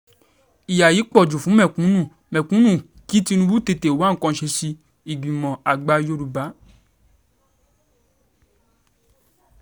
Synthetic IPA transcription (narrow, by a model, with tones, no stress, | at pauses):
i˨ja˨ji˨˦k͡pɔ˦˨d͡ʒu˨fũ˨˦mɛ̃˦˨kũ˨˦nũ˦˨ | mɛ̃˨kũ˨˦nũ˦˨ | ki˨˦ti˦˧nũ˧bu˦te˧te˨wa˨˦ŋ̩˨˦kɔ̃˧˨ʃe˧ʃi˧ | i˨ɡ͡bĩ˨mɔ̃˨a˨ɡ͡ba˧˦jo˦ɾu˧ba˨˦